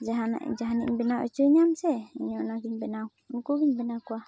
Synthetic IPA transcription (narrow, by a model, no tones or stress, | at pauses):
d͡ʒaɦana̰ʔd͡ʒaɦaniʔɲbɛnaw̰ʔɛt͡ʃuiɲamsɛḭɲɔnaɡiɲbɛna | ŋkuɡiɲbɛnakua